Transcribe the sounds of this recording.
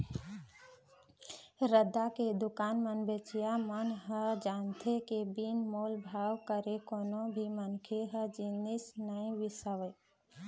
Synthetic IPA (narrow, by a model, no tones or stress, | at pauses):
ɾəd̪aked̪ʊkaːnmənbet͡ʃijamənɦəd͡ʒant̪ʰekebinmoːlbʱaːwkəɾekonõbʱimənkʰeɦəd͡ʒinisnəĩʋisəʋə